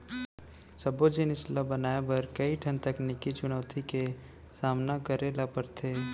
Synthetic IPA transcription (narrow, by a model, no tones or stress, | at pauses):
sɐbod͡ʒɪnɪslabənaːebɐɾkɐiʈʰə̃nt̪əknikit͡ʃʊñəːt̪ʰike | saːmnakəɾelapəɾt̪ʰeː